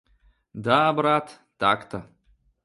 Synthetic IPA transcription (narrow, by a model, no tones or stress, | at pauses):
d̪aːbɾat̪ | t̪akt̪a